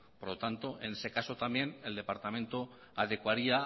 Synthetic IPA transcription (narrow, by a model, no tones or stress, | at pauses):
po̞ɾlo̞t̪ant̪o̞e̞ne̞se̞kaso̞t̪ambje̞ne̞ld̪e̞paɾt̪amẽnt̪o | aðe̞kwaɾia